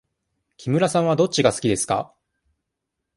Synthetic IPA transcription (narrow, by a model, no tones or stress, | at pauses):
kʲʰimɯ̟ɾasãɰ̃βad̪o̞t͡ɕːiɡasɨ̥kʲid̪e̞sɨ̥ka̰